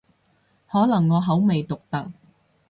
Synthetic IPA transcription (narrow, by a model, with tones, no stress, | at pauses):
hɔː˨˥lɐ˨˩ŋːɔː˨˧ɦɐ˨˥wme˨jt̪ʊ˨k̚t̪ɐ˨k̚